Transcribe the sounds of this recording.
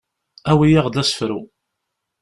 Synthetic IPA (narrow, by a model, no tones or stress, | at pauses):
æwijaʁd̪æsə̥fɾu